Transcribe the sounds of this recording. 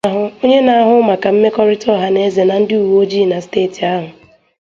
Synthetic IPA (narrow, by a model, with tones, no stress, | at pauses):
a˦ɦʊ˦o˦ɲe˦na˨a˦ɦʊ˦ma˨ka˨m̩˦me˦kɔ˦ɾɪ˦tɔ˦˨ɦa˦ne˦ze˨na˨n̩˦dɪ˦u˨wo˦d͡ʒi˦˨na˨steː˦˨ti˨a˦ɦʊ˨